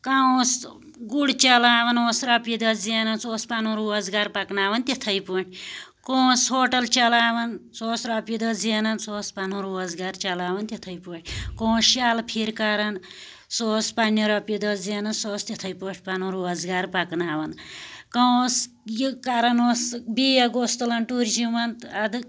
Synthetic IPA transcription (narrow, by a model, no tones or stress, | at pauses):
kaũs | ɡuɽt͡ʃɐlaːʋɐnoːsɾɐpid̪ɐd͡zinɐnsoːspɐnũɾuːɐzɡaɾpɐknaːʋɐnt̪ʲit̪ʰɐjpuɳʈʰʲkõːsɦoːʈɐlt͡ʃɐlaːʋɐnsoːsɾɐpid̪ɐzinɐnsoːspɐnũɾuːɐzɡaɾt͡ʃɐlaːʋɐnt̪ʲit̪ʰɐjpuɳʈʲʰkõːʃaːlpʰiɾkɐɾɐn | soːspɐnːɐɾɐpid̪ɐzeːnɐnsoːst̪ʲit̪ʰɐjpoːʈʰʲpɐnũɾuɐzɡaːɾpɐknaːʋɐnkɐs | jikɐɾɐnosbiːjɐɡost̪ɐlɐnʈuɾd͡ʒimɐnt̪ɐd̪ɨ